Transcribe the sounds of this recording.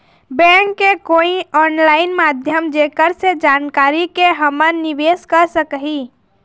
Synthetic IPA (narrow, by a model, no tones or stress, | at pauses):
bɛ̃ŋkːekoiɔːnlaːɪnmad̪ʱjəmd͡ʒekəɾsed͡ʒaːnkaːɾikeɦəmənːiʋeskəɾsəkɦi